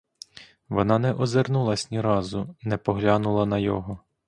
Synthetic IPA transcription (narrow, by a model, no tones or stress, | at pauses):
ʋɔnɑnɛʔɔzernulˠɐsʲnʲiɾɑzʊnɛpɔɦlʲɑnʊlˠɐnɐjɔɦɔ